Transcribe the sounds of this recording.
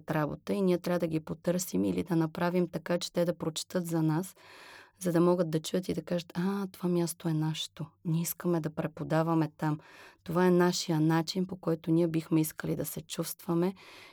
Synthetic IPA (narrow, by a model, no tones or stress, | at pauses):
t̪ɾabo̰t̪əiniɛt̪ɾʲavəd̪ɐɡipot̪ɤɾsimḭlid̪ɐnɐpɾavimt̪ɐkat͡ʃɛ̥t̪ɛd̪ɐpɾot͡ʃɛ̥t̪ɤt̪zɐnaszɐd̪ɐmɔɡəd̪̚ːɐt͡ʃujət̪id̪ɐkaʒət̪at̪ovamʲjast̪oɛnaʃɛ̥t̪onʲiiskəmɛd̪ɐpɾɛpod̪avɐmɛt̪amt̪ovaɛnaʃijənat͡ʃinpokɔjt̪ʊnʲiɛbixmɛiskəlid̪ɐsɛt͡ʃust̪v̥əmɛ